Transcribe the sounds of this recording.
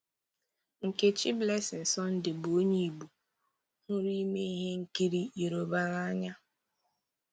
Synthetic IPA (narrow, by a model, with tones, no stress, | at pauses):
ŋ̩˨ke˦t͡ʃi˦ble˦sɪ˨n̩˨sɔ˦n̩˦dɪ˨bo˦ɲe˦i˨bu˨ | hʊ˦ɾi˦me˦i˦ɦe˦ŋ̩˦ki˦ɾi˦i˨ɾo˨ba˦ɣa˦a˦ɲa˦